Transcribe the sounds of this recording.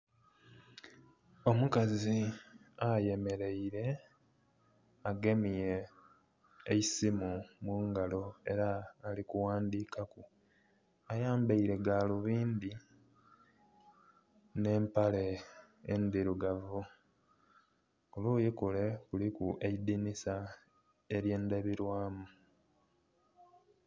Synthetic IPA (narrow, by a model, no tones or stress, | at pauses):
o̞mukaziaje̞me̞ɾe̞iɾe̞ | aɡe̞mije̞ | isimumuŋɡalo̞e̞̰ɾaːlikuwaːnd̪iːkaku | ajaːmbaiɾe̞ɡaːluβiːnd̪i | ne̞ːmpale̞ː | nd̪iɾuɡavu | olujikule̞kulikuʔed̪inisa | e̞ɾje̞ːnd̪eβiɾwaːmu